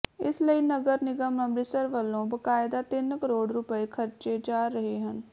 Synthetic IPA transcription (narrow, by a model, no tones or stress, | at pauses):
ɪsləiːnəɡəɾnɪɡəməmbɾiːsəɾʋəlːõːbəkaːɪd̪aːt̪ɪnkəɾoːɽɾʊpəeːkʰəɾt͡ʃeːd͡ʒaːɾːəɦeːɦən